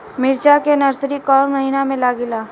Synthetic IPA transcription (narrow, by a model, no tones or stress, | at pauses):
mɪɾt͡ʃakenɐɾsɾikɔːɾmɐɦiːnamẽlaːɡɪlaː